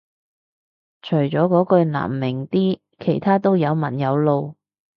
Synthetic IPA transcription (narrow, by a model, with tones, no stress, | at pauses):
t͡ʃʰɵ˨˩ɥt͡sɔː˨˥kɔː˨˥kɵ˧ɥna̰ː˨˩mːɪ˨˩ŋt̪iː˥ | kʰe˨˩jt̪ʰaː˥t̪o˥wjɐ˨˧wmɐ̰˨˩njɐ˨˧wlo˨˧w